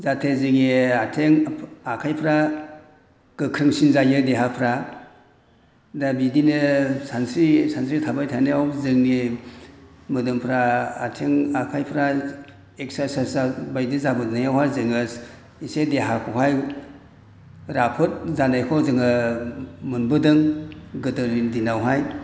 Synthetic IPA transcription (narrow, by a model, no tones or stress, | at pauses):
zatʰezɯŋeatʰeŋakʰajpʰɾa | ɡ̥ɯkʰɾɯŋsinzajɯdeɦapʰɾa | dabidinɯsansisansitʰabajtʰajneawzɯŋne | mɯdɯmpʰɾaːtʰeŋakʰajpʰɾa | ek̚sasaszabajdizabɯdnajawhazɯŋɯs | isedeɦakʰɔɦaj | ɾapʰɯt̚zanajkʰɔzɯŋɯ | mɯnbɯdɯŋɡɯdɯɾdinawɦaj